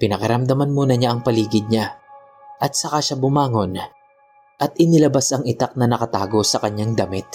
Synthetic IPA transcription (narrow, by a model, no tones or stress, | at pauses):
pɪnɐkɐɾɐmd̪ɐmanmunɐɲaʔɐŋpɐliːɡɪd̪̚ɲa | ʔɐt̪̚sɐkaʃabʊmaːŋo̞n | ʔɐt̪ʔɪnɪlɐbasɐŋɪt̪ak̚nɐnɐkɐt̪a̰ːɡo̞sɐkɐɲːaŋd̪ɐmɪt̪̚